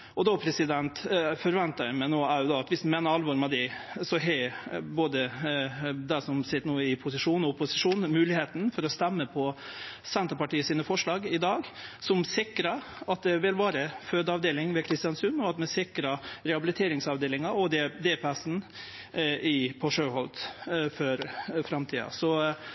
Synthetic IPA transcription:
ɔd̪ɔpʰɾɛsɪd̪ɛnt̪fɔɾʋɛnt̪əmɛɪnoːæɾjʊd̪ɔːɑt̪ʋɪsd̪meːnəɾɑlʋɔɾmɛd̪ɛsɔɦɛboːd̪ə | d̪ɛsɔmsɛt̪nuːɪpʰʊsɪʂuːnɔʊpʊsɪʂuːnmʉːlɪheːt̪nfɔɾɔst̪æmːəpʰɔsɛnt̪əɾpɑʈiːəsiːnəfɔʂɭɑːɡɪd̪ɑːɡsɔmsɪkɾɑ | ɑt̪̚d̪ɛʋɪlʋɑːɾəføːd̪əɑʋd̪eːlɪŋʋɛkʰɾɪst̪ɪɑnsʉnɔɑt̪mɛsɪkɾɑɾɛhɑbɪlɪt̪ʰeːɾɪŋsɑʋd̪eːlɪŋɑɔd̪ɛd̪eːpʰɛsn̩ | ɪpʰɔʂøːhɔlt̪fɔɾfɾɑmt̪ʰiːɑ̰sɔ

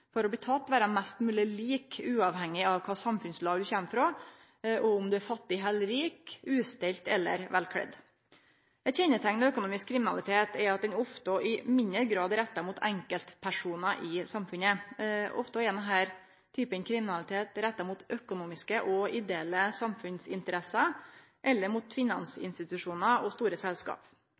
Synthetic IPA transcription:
fɔɾɔb̪iːt̪ʰɑt̪ːʋæːɾəmæst̪mʉːlɪəliːkʉːɑʋhɛŋːɪɑʋkʰɑːsɑmfʉnslɑːʋd̪ʉçæməfɾoː | ʔɔʊmd̪ʉæɾfɑt̪ːɪɦɛlɾiːkʉːst̪ɪlt̪ɛlːə̰ɾʋælkʰɽɛ̰d̪ | æɪt̪çɛnːət̪ʰæŋnɛœkʊnuːmɪskʰːɾɪmɪnɑlɪt̪ʰeːt̪ɛɾɑt̪̚d̪ɛnɔft̪əʔɪmɪnəɾɡɾɑːd̪ɾɛt̪ːɑmuːt̪ʰæŋkəlt̪pʰæʂuːnɑʔɪsɑmfʉnəʔɔ̰ft̪ɔɛnɛɦæːɾ | t̪ʰyːpənkʰɾɪmɪnɑlɪt̪ʰeːt̪ɾɛt̪ːɑmuːt̪œkʊnuːmɪskəʔɔɪd̪eːləsɑmfʉnsɪ̰nt̪əɾɛsɑ | ʔɛlːəɾmuːt̪fɪnɑnsɪ̰nst̪ɪt̪ʉʂuːnɑɔst̪uːɾəsɛlskɑ̰ːp

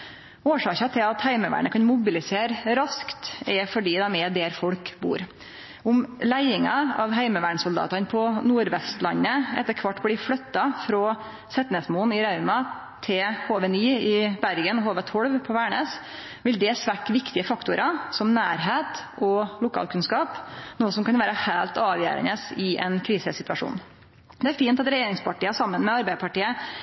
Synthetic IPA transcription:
oːʂɑːkɑt̪ʰɪlɑt̪hæɪməʋæ̰ːɳəkʰɑnmʊbɪlɪseːɾɾɑskt̪ɛfɔɖiːd̪ɑmɛːd̪eːɾfɔɽkbṵːɾ | ʊmlæɪɪŋɑ̰ɑʋɦæɪməʋæːɳsʊld̪ɑ̰ːt̪ɑnpʰɔnuːɾʋɛst̪lɑ̰nːəɛ̰t̪ːəɾkʰʋɑʈːblɪfɽœt̪ːɑfɾoː | sɛt̪nɛsmuːnɪɾɑʉmɑ | t̪ʰɪhoːʋɛnyːɪbæɾɡənɔhoːʋət̪ʰɔɽʋpʰɔʋæːɳəːs | ʋɪld̪ɛsʋækʋɪkt̪ɪəfɑkt̪ʊɾʔɑsɔmnæːɾɦeːt̪ɔlʊkʰɑ̰ːlkʰʉnskɑːpnoːəsɔmkɑnʋæːɾəhæːlt̪ɑːʋjø̰ːɾə̰nəsɪʔɛ̰nkʰɾiːsəsɪt̪ʉɑʂṵːn | d̪ɛæɾfiːnt̪ɑt̪ɾɛjeːɾɪŋspʰɑʈiːəsɑmːənmɛɑɾbæɪpʰɑʈiːə

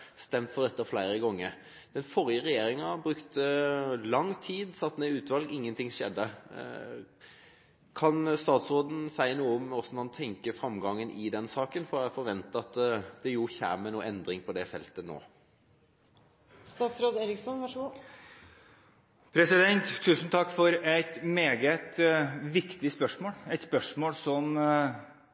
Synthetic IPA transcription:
st̪ɛmt̪fɔd̪ɛt̪ːəflæɪɾəɡɔŋːəɾ | d̪̥ɛnfɔɾɪəɾɛjeːɾɪŋɑbɾʉkt̪əlɑŋːt̪ʰiːd̪sɑt̪ːneːʉːt̪ʋɑlɡɪŋːənt̪ʰɪŋʂɛ̰d̪ːə | kʰɑnst̪ɑːt̪sɾoːd̪n̩sæɪənuːəɔmɔsːɔnɑnt̪ʰɛŋkəfɾɑmɡɑŋːənʔɪd̪ɛnsɑːkənfɔɾæfɔɾʋɛnt̪əɑt̪d̪ɛjʊçæ̰ːmənuːʔɛnd̪ɾɪŋpʰɔd̪ɛfɛlt̪əno̰ː | st̪ɑːt̪sɾoːd̪eːɾɪksɔnʋɑʂəɡuː | pʰɾɛsɪd̪ɛnt̪ʰːʉːsn̩t̪ʰɑkːfɔɾæɪt̪meːɡət̪ʋɪkt̪ɪspœʂmoːlæɪt̪spœʂmoːlsɔm

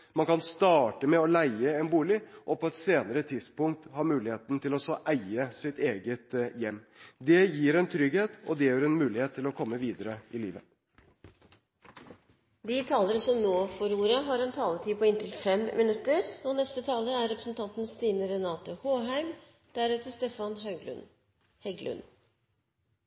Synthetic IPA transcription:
mɑnkɑnst̪ɑːʈəmɛɔlæɪəɛnbuːlɪʔɔpʰɔɛt̪seːnəɾət̪ʰɪd̪spʊŋk̚t̪hɑɾmʉːlɪheːt̪n̩t̪ʰɪlɔsɔʔæɪəsɪt̪eːɡət̪jɛmːd̪ɛjiːɾɛnt̪ʰɾʏɡheːt̪ɔd̪ɛjœɾɛnmʉːlɪheːt̪ʰːɪlɔkʰɔmːəʋiːd̪əɾəʔɪlḭːʋə | d̪it̪ʰɑːləɾsɔmnoːfɔɾuːɾəɦɑɾɛnt̪ʰɑːlət̪ʰiːpʰɔɪnt̪ʰɪlfɛmmɪnʉt̪ːəɾɔnɛst̪ət̪ʰɑːləæɾɛpɾə̥sən̩t̪ʰɑnt̪n̩st̪iːnəɾɛnɑːt̪ʊhoːɦæɪm | d̪̥æɾɛt̪əst̪efɑnɦɑʉɡl̰n | hɛɡlʉ̰n

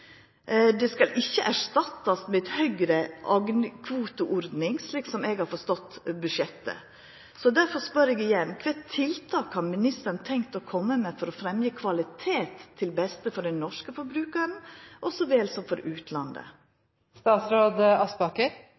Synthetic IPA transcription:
d̪ɛskɑlʔɪçːəʔæʂt̪ɑt̪ːɑsmɛt̪hœɡɾəʔɑɡnkʰʋuːt̪ʊʔɔɾd̪nɪŋsliːksɔmɛɡhɑɾfɔʂt̪ɔt̪ːbʉʃɛt̪ːə̰ | sɔd̪æɾfɔʂpœɾɛɡɪjɛnːkʰʋɛːt̪ʰːɪlt̪ʰɑːkhɑɾmɪnɪst̪əɾnt̪ʰɛŋkt̪ɔkʰɔmːəmɛfɔɾɔfɾɛmjəkʰʋɑlɪt̪ʰeːt̪ʰːɪlbɛst̪əfɔɖɛnɔʂkəfɔɾbɾʉːkɑɾn̩ʔɔsɔʋeːlsɔmfɔɾʉːt̪ʰlɑnd̪ə̰ | st̪ɑːt̪sɾoːd̪ɑsbɑkəɾ

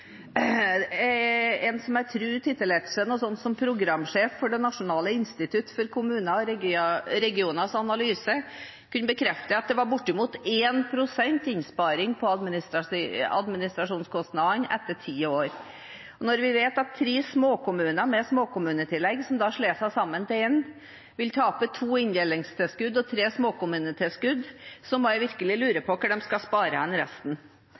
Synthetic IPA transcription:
ɛnsɔmæɾt̪ʰɾʉːt̪ʰɪt̪ːəlɛt̪ʂənɔsɔnːsɔmpʰɾʊɡɾɑmːʂeːfːɔɖɛnɑʂʊnɑːləɪnst̪ɪt̪ʰʉt̪fɔɾkʰʊmʉːnɑɔɾɛɾɛɡɪuːnɑsɑnɑlyːsə | kʉnːəbəkʰɾɛft̪əɑt̪̚d̪ɛʋɑɾbʊʈːɪmuːt̪eːnpʰɾʊsɛnt̪ɪnspɑːɾɪŋpʰɔɑd̪mnɪst̪ɑɑ̰d̪mɪnɪst̪ɾɑʂuːnskʰɔst̪nɑːnːʔɛ̰t̪ːəʈʰiːoːɾ | ɔnɔɾʋɪʋeːt̪ɑt̪ʰːɾeːsmoːkʊmʉːnəmɛsmoːkʊmʉːnət̪ʰɪlːɛɡːsɔmd̪ɑʂɭeːsæɪsɑmːənt̪ʰɛɛn | ʋɪlt̪ʰɑːpət̪ʰuːɪnd̪ɛːlːɪŋst̪ʰɛlskʉd̪ːɔt̪ʰɾeːsmoːkʊmʉːnət̪ʰɪskʉd̪sɔmɔjæɪʋɪɾkəlɪlʉːɾəpʰɔkəɖɛmskɑspɑːɾəhɛnɾɛ̰st̪n̩

